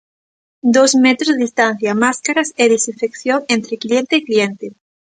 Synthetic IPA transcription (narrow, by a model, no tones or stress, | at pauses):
d̪ozmet̪ɾozðeðist̪ãn̟θjamaskaɾaseðesiɱfekθjoŋẽnt̪ɾeklient̪eːklient̪e